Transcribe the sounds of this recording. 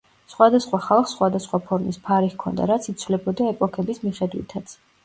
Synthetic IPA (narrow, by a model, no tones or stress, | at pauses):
sχwad̪asχwaχalˠχsχwad̪asχwapʰɔɾmispʰaɾihkʰɔ̰nd̪a̰ɾat̪sʰit̪sʰvlɛbɔd̪aɛpʼɔkʰɛbismiχɛd̪wḭt̪ʰat̪sʰ